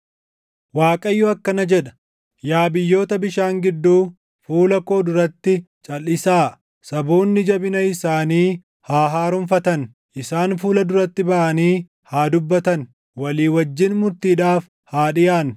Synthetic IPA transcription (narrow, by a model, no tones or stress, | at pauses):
waːkʼɐjːʊɐkːɐnɐd͡ʒɛᶑɐ̥ | jaːbɪjːo̞ːt̪ɐbɪʃaːŋɡɪd̪ːuː | fuːlɐko̞ːd̪ʊɾɐt̪ːɪ | t͡ʃʼɐlːɪsaː | sɐboːnːɪd͡ʒɐbɪnɐɪsaːniː | haːɦaːɾʊmfɐt̪ɐn | ʔɪsaːnfuːlɐd̪ʊɾɐt̪ːɪbɐʔɐniː | haːd̪ʊbːɐt̪ɐn | wɐliːwɐd͡ʒːɪnmʊɾt̪iːᶑaːf | haːᶑɪjaːn